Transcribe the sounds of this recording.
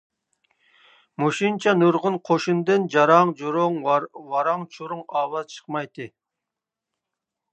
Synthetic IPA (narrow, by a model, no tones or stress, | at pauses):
moʃint͡ʃʰɑnuɾʁʊnqʰoʃund̪ɨnd͡ʒɑɾɑŋɾŋwɑɾɑŋt͡ʃʰuɾʊŋɑːwɑzt͡ʃʰə̥qmɑjt̪ʰɨ